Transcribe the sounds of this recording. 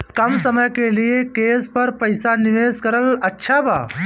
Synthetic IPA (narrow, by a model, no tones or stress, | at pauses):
kɐmsəməjkeliekespəɾpəjsaniʋeskəɾələtːʃʰabʱa̰